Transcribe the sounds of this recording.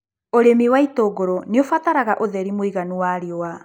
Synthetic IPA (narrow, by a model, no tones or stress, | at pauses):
oɾemiwaitoɡoɾɔneofataɾaɣaʔoðɛɾimoiɣanuwaɾeoa